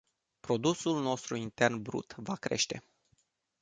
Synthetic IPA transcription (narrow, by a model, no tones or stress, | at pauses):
pɾo̞d̪usulno̞st̪ɾuint̪e̞rnbɾṵt̪vakɾe̞̰ʃt̪e̞